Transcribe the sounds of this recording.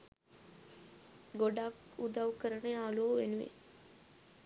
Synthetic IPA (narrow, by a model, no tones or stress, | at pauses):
ɡoɖakud̪awkəɾənəaːloːʋenuʋḛ